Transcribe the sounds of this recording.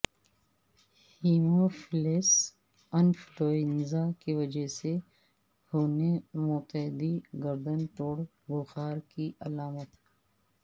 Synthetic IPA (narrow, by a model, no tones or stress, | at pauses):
hiːmofɪleːs | ɐnfloːɪnzakeʋɐd͡ʒəse | hoːnemʊːt̪əɦɪd̪iɡəɾd̪ənʈ̪oːɽ | bʊxaːɾkiʔɐlaːmət̪